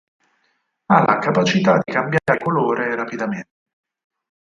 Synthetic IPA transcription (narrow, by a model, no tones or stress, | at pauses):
alʔa̰kapat͡ʃit̪ad̪ːikambjaːɾekoloːɾeɾapid̪ament̪e